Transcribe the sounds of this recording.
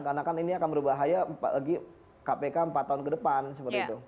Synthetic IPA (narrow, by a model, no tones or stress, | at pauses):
kanakaniniakanbəɾubaɦajapa̰laɡi | kapekampat̪ːaʊnkədəpansəpərt̪it̪u